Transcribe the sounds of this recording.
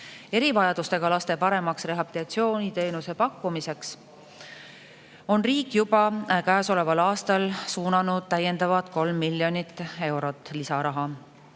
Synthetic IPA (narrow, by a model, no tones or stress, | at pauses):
e̞ɾivɑjɑd̪ust̪e̞ɡ̥ɑlɑst̪e̞pɑɾe̞mɑksre̞ɦɑbit̪ɑt̪sio̞ːnʲit̪e̞ːnuse̞pɑkːumise̞ks | o̞nriːkːˑjub̥ɑkæːso̞le̞vɑlɑːst̪ɑlsuːnɑnud̪̥̚t̪æje̞nd̪̥ɑvɑd̪̥ko̞lmːilʲjo̞nit̪ːˑe̞wɾo̞t̪ːˑlisɑɾɑɦɑ